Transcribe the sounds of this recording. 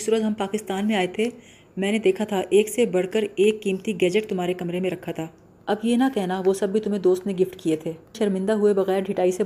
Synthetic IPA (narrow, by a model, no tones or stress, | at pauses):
suːɾət̪ɦɐmpaːkɪst̪aːnmẽaːet̪ʰe | mɛ̃ːned̪eːkʰat̪ʰaʔeːksebɐɽ̤kəɾeːkːiːmt̪iɡɛːd͡ʒəʈ̚t̪ʊmɦaːɾekɐmɾemẽɾɐkʰːat̪ʰaː | ɐbjenɐkɛɦnaʋosɐbːʱit̪ʊmɦẽd̪oːst̪nẽɡɪfʈkiet̪ʰeːʃɐɾmɪ̃nd̪aɦʊebɐɣɛːɾɖʱɪʈaːise